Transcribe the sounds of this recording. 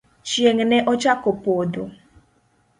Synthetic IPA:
t͡ʃjeŋnɛʔɔt͡ʃakopodo

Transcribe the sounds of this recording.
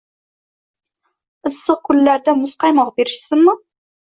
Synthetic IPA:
ɨsːɨq̚kʰʊlːæɾd̪amʊsqʰɑjmɑqbeɾɪʃsɪnmʊ

